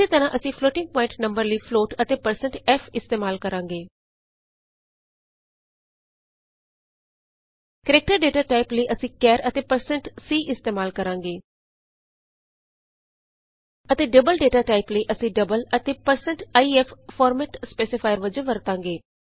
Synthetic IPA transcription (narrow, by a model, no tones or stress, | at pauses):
eːt̪əɾãːʔəsĩːpʰloːʈɪ̃ŋɡ̚pɔːɪ̃ɳʈnə̃mbəɾləipʰloːʈət̪eːpəɾsə̃ɳʈɛːpʰɪst̪eːmaːlkəɾãːŋɡeː | kəɾeːk̚ʈəɾɖeːʈaːʈaːɪpləiʔəsĩːkɛːɾət̪eːpəɾsə̃ɳʈsiːʔɪst̪eːmaːlkəɾãːŋɡeː | ət̪eːɖəbəlɖeːʈaːʈaːɪpləiʔəsĩːɖəbələt̪eːpəɾsə̃ɳʈaːiɛpʰfɔːɾmɛːʈspeːsɪpʰaːjəɾʋəd͡ʒəʋəɾt̪ãːŋɡeː